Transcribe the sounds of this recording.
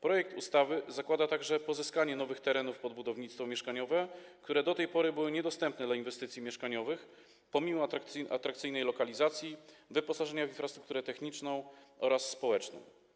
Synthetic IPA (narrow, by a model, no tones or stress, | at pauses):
pɾɔjɛk̚t̪ust̪avɘzakwad̪at̪aɡʐɛpɔzɘskaɲɛnɔvɘxt̪ɛɾɛnufpɔd̪̚bud̪ɔvɲit̪st̪fɔmʲjɛʂkaɲɔvɛkt̪uɾɛd̪ɔt̪ɛjpɔɾɘbɘwɘɲɛd̪ɔst̪ɛmpnɛd̪lainvɛst̪ɘt̪sʲjimʲjɛʂkaɲɔvɘx | pɔmʲimɔt̪akt̪ʔa̰t̪ɾakt̪sɘjnɛjlɔkalʲizat̪sʲjivɘpɔsaʐɛɲavʲinfɾast̪ɾu̥kt̪uɾɛt̪ɛxɲit͡ʂnɔ̃w̃ʔɔɾasːpɔwɛt͡ʂnɔ̰̃w̃